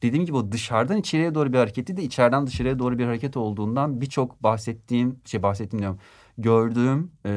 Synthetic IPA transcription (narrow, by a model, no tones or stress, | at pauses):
d̪̥ed̪iːmɟibiod̪ɯʃaɾd̪anit͡ʃʰe̞ɾijɛd̪o̞ːɾubiɾhaɾecʰet̪lʲid̪ɛit͡ʃʰæɾd̪ænd̪ɯʃaɾɯjɛd̪o̞ːɾubiɾhaɾecʰɛt̪ʰo̞lˠd̪uːnd̪anbit͡ʃʰo̞kbaxsɛt̪ʰːiːmʃebaxsɛt̪ʰːimd̪ʲijoɾm | ɟøɾd̪yːm